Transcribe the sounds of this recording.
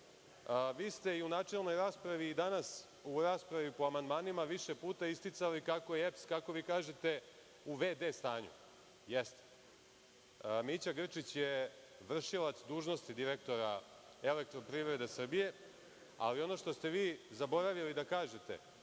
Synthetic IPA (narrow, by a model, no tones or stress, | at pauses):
əʋiːst̪e̞iunaːt͡ʂe̞lno̞jɾaːspɾaʋiːd̪anas | uɾaːspɾaʋipo̞amand̪maːnimaʋiʃe̞puːt̪aist̪it̪salikako̞jeepskako̞ʋiːkaːʒet̪e̞ | uʋeːd̪eːst̪aːɲṵ | jest̪e̥ | mit͡ɕaɡr̩t͡ʂit͡ɕje | ʋr̩ʃilat̪sd̪uːʒno̞st̪id̪iɾe̞k̚t̪o̞ɾa | ele̞k̚t̪ɾo̞pɾiʋɾe̞d̪esr̩bije̞ | a̰lio̞no̞ʂt̪o̞st̪e̞ʋiːzabo̞ɾaʋilid̪akaːʒet̪e̞̰